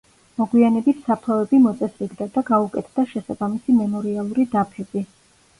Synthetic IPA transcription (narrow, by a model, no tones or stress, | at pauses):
mɔɡwianɛbit̪ʰsap̚t̪ʰavɛbimɔt̪sʼɛsɾiɡd̪ad̪aɡaukʼɛt̪ʰd̪̥aʃɛsabamisimɛmɔɾialˠuɾid̪apʰɛbi